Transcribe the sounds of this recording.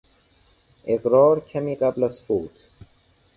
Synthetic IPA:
ekɾɔːɾkʰɐmiqɐblɐsfuːt̪ʰ

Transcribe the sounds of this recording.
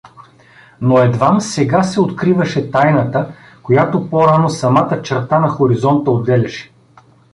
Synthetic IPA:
noɛd̪vamsɛɡasɛot̪kɾivɐʃɛt̪ajnət̪ə | kojat̪opoɾanosɐmat̪ət͡ʃɛɾt̪anɐxoɾizɔnt̪əod̪ɛlʲɐʃɛ̥

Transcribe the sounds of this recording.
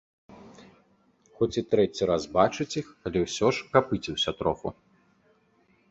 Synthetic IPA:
xɔt͡sʲit̪ɾɛt͡sʲiɾasbat͡ʂɨt͡sʲixɐlʲɛwsʲɔʂkapɨt͡sʲiwsʲɐt̪ɾɔfṵ

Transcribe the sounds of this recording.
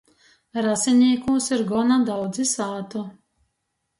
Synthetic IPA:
ɾasɛnʲiɛkuːsiɾɡɔnad̪awd̪zisaːt̪ɔ

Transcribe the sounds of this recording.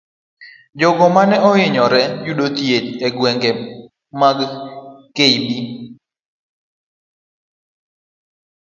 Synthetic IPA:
d͡ʒɔɡɔmanɛɔɪɲɔɾɛd͡ʒuɗot̪jed͡ʒɛɡwɛŋɡɛ | maɡkeibi

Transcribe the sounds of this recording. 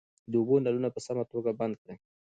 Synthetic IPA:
d̪əubonalunapəsamat̪oɡaband̪̚kɽe

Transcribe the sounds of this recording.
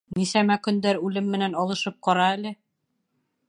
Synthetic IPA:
nisæmækɵ̆nd̪æɾʉlɘmːɘ̆nænɑlˠɤ̆ʃɤp̚qɑɾɑælɘ

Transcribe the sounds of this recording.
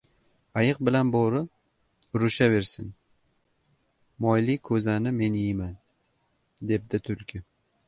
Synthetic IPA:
ajɨq̚bɪlanboɾɪ | ɾʊʃave̞ɾsɪn | mɒjlɪkʰːɵzanɪme̞nɪjman | d̪e̞p̚d̪ɪt̪ʰʊlkʲʰɪ

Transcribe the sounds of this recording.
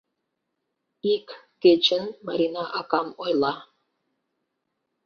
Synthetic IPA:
ikː | et͡ɕənmɑɾʲinɑʔɑkɑmojlˠɑ

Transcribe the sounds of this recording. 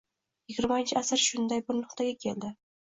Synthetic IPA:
jɪɡʲɪɾmaɪnt͡ʃʰɪasɪɾʃʊnd̪ajbɪɾnʊqt̪ʰaɡʲakʲʰe̞ld̪ɪ

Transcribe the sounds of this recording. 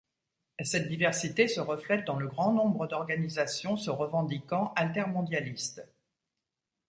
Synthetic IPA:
sɛt̪̚d̪ivɛʁsit̪esəʁəflɛt̪̚d̪ɑ̃ləɡʁɑ̃nɔ̃bʁəd̪ɔʁɡanizasjɔ̃səʁəvɑ̃d̪ikɑ̃ʔalt̪ɛʁmɔ̃d̪jalist̪

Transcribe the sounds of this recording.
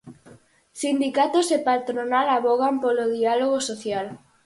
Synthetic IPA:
sind̪ikat̪osepat̪ɾonalaβoɣampoloðialoɣosoθjal

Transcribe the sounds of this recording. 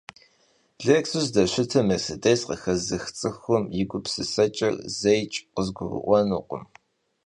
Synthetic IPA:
b̥ɮeksuzdɐʃʷɪtʰɐmɐsɨdɐjsqəxɐzɨxt͡sʼɨxʊmjɪɡʷʊpsɨsɐt͡ʃʼɐ̰rzɐjt͡ʃʼqəzɡʷʊrə̰ʔʷɔnuːqʷʊ̰m

